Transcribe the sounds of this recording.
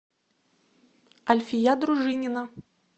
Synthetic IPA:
ɐlʲfʲijad̪ɾuʐɨnʲɪnə

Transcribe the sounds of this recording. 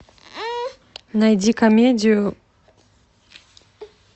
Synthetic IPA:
najdʲikɐmʲedʲijʊ

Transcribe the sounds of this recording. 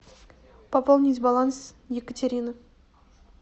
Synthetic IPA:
papolˠnʲizʲbalˠans | jekət̪ʰʲeɾʲinə

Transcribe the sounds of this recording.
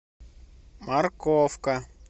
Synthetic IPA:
maɾkɔfka

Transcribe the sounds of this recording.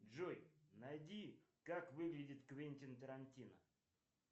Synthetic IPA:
ʐojnadʲi | kakvɨɡlʲɪdʲɪt̪kvʲenʲtʲɪnt̪əɾanʲtʲinə

